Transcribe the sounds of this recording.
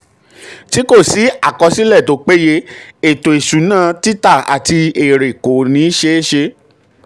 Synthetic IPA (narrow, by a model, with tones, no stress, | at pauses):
ti˦ko˦˨si˨˦a˦˨kɔ˧si˦lɛ˦˨to˨˧˦k͡pe˦je˧e˨to˨e˨ʃũ˨˦nãː˦˨ti˦ta˦˨a̰˨ti˧e˨ɾe˨ko˨nĩ˧˦ʃe˧e˦ʃe˧